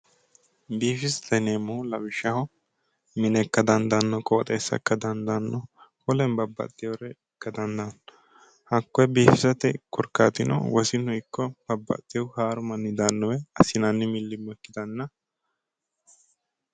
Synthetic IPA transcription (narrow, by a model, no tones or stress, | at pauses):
biːfɪst̪ɛneːmːʊhʊlɐbɪʃɐhɔ | mɪnɛkːɐd̪ɐnd̪ɐnːɔkʼɔwɔt̪ʼeːsːɐ̰kːɐd̪ɐnd̪ɐnːɔhɔlɛnbɐbːɐ̰t̪ʼːɪjɔwɾɛ | kːɐd̪ɐnd̪ɐn | hɐkːɔjɛbiːfɪsɐt̪ɛkʊɾkːa̰ːt̪ɪnɔ̰wɔsɪnɔjɪkːɔb̥ɐbːɐ̰t̪ʼːɪjɔwhaːɾʊmɐnːɪd̪ɐnːɔwɛɐsɪnɐnːɪmɪlːɪmːɔɛkːɪd̪ɐnːɐ